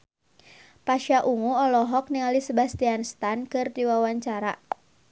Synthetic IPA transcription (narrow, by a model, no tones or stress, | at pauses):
paʃaʔuŋuɔlɔɦɔk̚niŋalisəbast̪ianst̪ankɨrd̪iwawaɲt͡ʃaɾa